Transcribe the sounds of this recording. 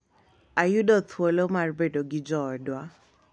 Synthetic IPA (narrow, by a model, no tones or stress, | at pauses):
ajʊdɔt̪ʰwolomarbedoɡɪd͡ʒɔdwa